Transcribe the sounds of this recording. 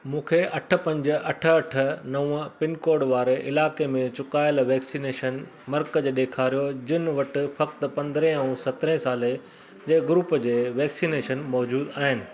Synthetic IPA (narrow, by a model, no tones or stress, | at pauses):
mũːkʰeʔɐʈʰə̆pɐ̃ɲd͡ʑə̆ʔɐʈʰə̆ɐʈʰə̆nɐʋʊ̃pɪnkoːɾɖʋaːɾeʔɪlaːkemẽt͡ɕʊkaːɪlʋɛːksineːʃən | mɐɾkəd͡ʑeːɗ̪eːkʰaːɾijod͡ʑɪnɪʋɐʈɪ̆fɐkt̪pɐ̃nd̪ɾɛ̃ɐũsɐt̪ɪɾɛ̃saːle | d͡ʑeːɡɾuːpəd͡ʑeːʋɛːksiːneːʃənmɔːd͡ʑuːd̪aːɦɪnɪ̆